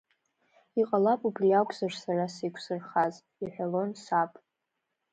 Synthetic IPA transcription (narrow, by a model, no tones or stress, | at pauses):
iqʼalapʼubriakʷʼzarsarasejkʷʰsɨrχaz | iħʷᶣalo̞nsapʼ